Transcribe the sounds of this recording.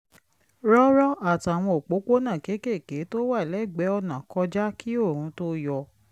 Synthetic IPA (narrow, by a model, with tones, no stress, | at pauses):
ɾɔ˦ɾɔ˦a˦˨ta˨w̃ɔ̃˧o˨k͡po˨˦k͡po˦nã˦˨ke˨˦ke˦˨ke˨˦to˦wa˦˨lɛ˨˦˨ɡ͡bɛ˨˦ɔ˧nã˨kɔ˧d͡ʒa˦ki˦o˦˨ɾ̃ũ˨˧˦to˦jɔ˧